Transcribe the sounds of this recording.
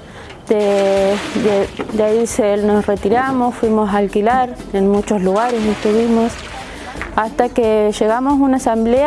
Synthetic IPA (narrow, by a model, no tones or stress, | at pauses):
d̪e | ed̪aiselno̞sret̪iɾamosfwimo̞saːlkilaɾenmut͡ʃosluɣaɾeseht̪uβimos | ast̪akeʃe̞ɣamosunaːsamble